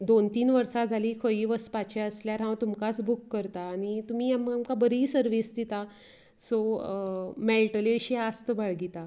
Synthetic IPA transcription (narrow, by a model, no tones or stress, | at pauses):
d̪ont̪iːnʋəɾsad͡zʱaliːkʰəiːʋəspat͡ɕeəsljaɾɦãwt̪umkasbukːəɾt̪aːñit̪um̤iːaməamkabəɾiːsəɾʋiːsd̪it̪a | so | mɛlʈəleɕiast̪əbaɭɡit̪a